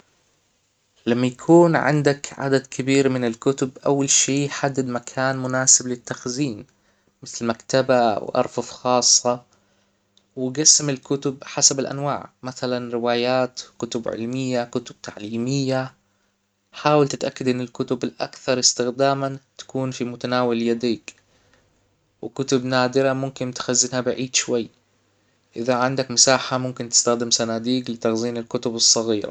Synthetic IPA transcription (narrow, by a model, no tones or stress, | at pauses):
lamːajakʰuːnʕɪ̰nd̪akʕa̰d̪ad̪kʰɪbiːɾmɪnɪlkʊt̪ʊbʔa̰wːalʃiːjħad̪ːɪd̪makʰaːnmʊnaːsɪblɪt̪ːaxziːn | mɪθlmakt̪aba̰wʔɑ̰ɾˤfɑfxɑːsˤːɑ | wɪɡasːamɪlkʊt̪ʊbħasabɪlʔa̰nwa̰ːʕmaθalanɾɪwaːjaːt̪kʊt̪ʊbʕɪ̰lmɪjːakʊt̪ʊb̥̚t̪ʰaʕliːmɪjːa | ħaːwalt̪ɪt̪ʔakːad̪ʔɪnːɪlkʊt̪ʊbɪlʔa̰kθɑɾˤɪst̪ɪxd̪aːmant̪ḁkuːnfimʊt̪anaːwɪljad̪iːk | wɪkʊt̪ʊbnaːd̪ɪɾamʊmkɪnt̪xazːɪnhabɪʕiːd̪ʃwajː | ʔɪðaʕɪnd̪akmɪsaːħamʊmkɪnt̪ɪ̥st̪axd̪ɪmsanaːd̪iːɡlɪt̪aɣziːnɪlkʊt̪ʊbɨsˤːɑɣiːɾa̰